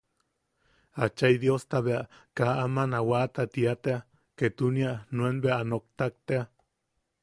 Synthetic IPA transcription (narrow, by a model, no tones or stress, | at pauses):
at͡ʃajd̪jost̪aβeaʔkaamanawat̪at̪iat̪ea | ket̪unianuenbeaanok̚t̪ak̚t̪ea